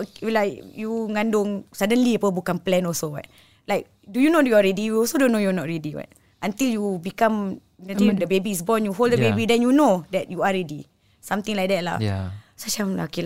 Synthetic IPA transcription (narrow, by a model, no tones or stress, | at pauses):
ulajkjuŋãndʊŋsadənliapəbukanplɛnɔsowa̰t̚ | laɪk̚ | dujunodjuaɹɛdiiɔsodõnːojunɔt̚ɹɛdiwa̰t | ʔãnt̪iljubikãm | nat̪idəbebiːs̬bɔnjuɦoldəbebidɛ̃njunodɛt̚juaɹɛdi | sãmt̪ĩŋlajk̚d̪ɛt̚la̰sat͡ʃamla̰ki